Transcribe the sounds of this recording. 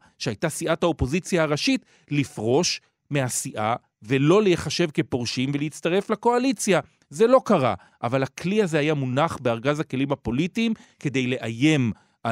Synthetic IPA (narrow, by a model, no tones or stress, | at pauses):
ʃehajtasiʔathao̞po̞zit͡sjaːʁaʃit | lifʁo̞ʃ | me̞ɦasiʔa | velo̞lejeχaʃe̞vke̞poʁʃimveleit͡st̪aʁe̞flako̞alit͡sja | ze̞lo̞kaʁa̰ | ʔavalakliaze̞hajamunaχbeaʁɡazake̞limhapo̞litiːmke̞d̪e̞jle̞ʔaje̞m | a